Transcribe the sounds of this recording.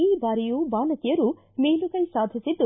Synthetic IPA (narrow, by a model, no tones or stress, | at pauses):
iːbaːɾijuːbaːnɐt̪ijɐɾu | meːlukɐjsaːd̪ʱisid̪ːu